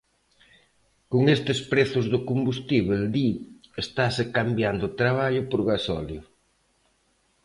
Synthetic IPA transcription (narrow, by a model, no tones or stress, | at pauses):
koŋest̪ɪspɾeθʊzðʊkombust̪iβeld̪iest̪asekambjand̪ʊt̪ɾaβ̞aʎʊpoɾɣasɔ̰ljʊ